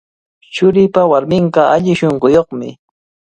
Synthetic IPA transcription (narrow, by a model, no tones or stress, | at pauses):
t͡ʃʊɾɪjpawaɾmɪɴɢɑaʎɪʃoɴɢojoχmɪ